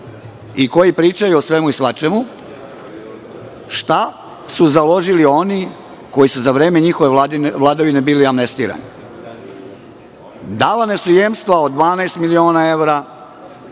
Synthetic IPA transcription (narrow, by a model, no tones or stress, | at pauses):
iko̞jipɾiːt͡ʃajuosʋe̞muisʋat͡ʃemu | ʃt̪a | suzalˠo̞ʒilio̞ni | ko̞jisuzaʋɾeːme̞ɲixoʋe̞ʋlˠad̪aʋine̞biːliamnest̪iːɾa̰ni | d̪alanesujemst̪ʋaod̪ʋaːnaest̪milio̞ːnae̞ʋɾa